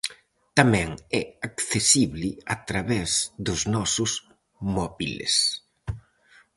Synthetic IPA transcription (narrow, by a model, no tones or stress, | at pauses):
t̪amɛ̃ŋɛakθesiβlɪat̪ɾaβɛzd̪ʊznɔsʊs | mɔβilḛs